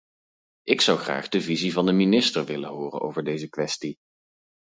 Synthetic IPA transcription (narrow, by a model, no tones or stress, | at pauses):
ʔɪksʌwχra̰ːχdəvizivɑndəminɪstəɹʋɪlənɦʊːrə̰nʔo̰wvəɹdejzəkʋɛsti